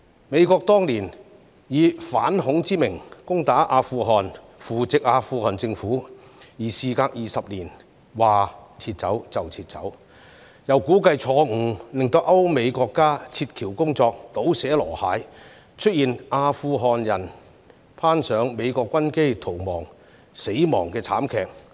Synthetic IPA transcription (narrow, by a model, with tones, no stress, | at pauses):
me˨˧jkɔː˧k̚t̪ɔː˥ŋliː˨˩n | jiː˨˧fa̰ː˨˥nhʊ˨˥ŋt͡siː˥mɪ˨˩ŋkʊ˥ŋt̪aː˨˥ʔaː˧fuː˧ɦɔː˨n | fuː˨˩t͡sɪ˨k̚ʔaː˧fuː˧hɔː˨˩nt͡sɪ˧ŋfuː˨˥jiː˨˩siː˨˧kaː˧k̚jiː˨sɐ˨p̚liː˨˩n | waː˨t͡sʰiː˧t̚t͡sɐ˨˥wt͡sɐ˨wt͡sʰiː˧t̚t͡sɐ̰˨˥w | jɐ˨˩wkuː˨˥kɐ˧jt͡ʃʰɔː˨˧ŋ̩˨˩lɪ˨˩ŋt̪o˧wʔɐ˥wme˨˧jkɔː˧kːaː˥t͡sʰiː˧t̚kʰiː˨˩wkʊ˥ŋt͡sɔː˧k̚t̪o˨˥wsɛː˨˥lɔː˨˩haː˨˥j | t͡ʃʰɵ˥t̚jiː˨nʔaː˧fuː˧ɦɔː˨˩njɐ˨˩n | pʰaː˥nsœː˨˥ŋme˨˧jkɔː˧kːɐ˥nke˥jt̪ʰo˨˩wmɔː˨˩ŋ | se˨˥jmɔː˨˩ŋkɛː˧t͡sʰaː˨˥mkʰɛː˧k̚